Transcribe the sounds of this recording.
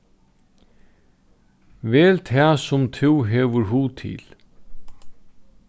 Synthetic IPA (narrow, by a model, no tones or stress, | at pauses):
vɛːlt̪ʰaːsʊmt̪ʰɪwɦɛːʋəɾɦuːt̪ʰɪ̰l